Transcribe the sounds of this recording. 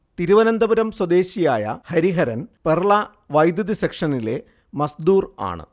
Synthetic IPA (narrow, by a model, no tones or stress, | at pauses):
t̪iɾuʋɐnɐnd̪ɐbɐɾɐmswɐd̪e̞ːɕijaːjɐ̰hɐɾiɦɐɾɐnperɭa | ʋɐjd̪jɐðisekʂɐnile̞̰ | mɐsd̪uːra̰ːɳɨ̰